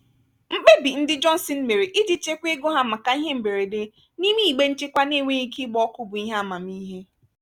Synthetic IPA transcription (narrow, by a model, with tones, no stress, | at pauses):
ŋ͡m̩˦k͡pe˦bi˨n̩˦dɪ˦d͡ʒɔ˦n̩˨sɪ˨˦n̩˦me˨ɾi˨ʔɪ˦d͡ʒi˦t͡ʃe˦kʷe˦ɡo˦ɦa˦ma˨ka˨i˦ɦe˦m̩˨be˨ɾe˨de˦ | ni˦mi˦i˨ɡ͡be˦n̩˦t͡ʃe˦kʷa˦ne˦˨ŋʷe˦i˦ki˦ɡ͡bɔ˦kʊ˦bʊ˨i˦ɦa˦a˨ma˨m̩˦i˦ɦe˦